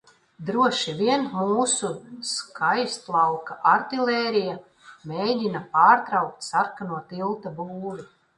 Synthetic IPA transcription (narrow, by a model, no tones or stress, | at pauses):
d̪ɾuɔʃivʲiɛnmuːsuskʰajst̪lˠɑwkaʔaɾt̪ilʲˠɛːɾija | mejd̪ʲinapaːɾt̪ɾawk̚t̪ʲsaɾkanuɔt̪ilˠt̪abuːɾi